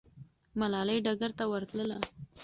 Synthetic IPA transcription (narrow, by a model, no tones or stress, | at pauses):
malɑləjɖaɡaɾt̪awəɾt̪ləla